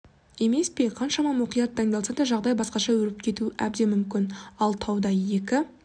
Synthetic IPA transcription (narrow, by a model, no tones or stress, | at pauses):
e̞me̞spe̞qʰɑnʃɑmɑmʊqijɑt̪ʰːɑŋd̪ɑlˠsɑd̪ɑʒɑʁd̪ɑjbɑsqɑʃɑwɵɾɪp̚kʲʰe̞t̪uʔæ̰b̚d̪e̞mʏmkʲɪnɑlˠt̪ʰɑwd̪ɑje̞kʲɪ